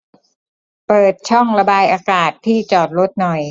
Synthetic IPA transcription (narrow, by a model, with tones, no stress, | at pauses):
pɤː˨˩t̪̚t͡ɕʰɔ˥˩ŋɾa˧baː˧jʔaː˧kaː˨˩t̪ʰːiː˥˩t͡ɕɔː˨˩t̪̚ɾo˦˥t̪̚nɔ˨˩j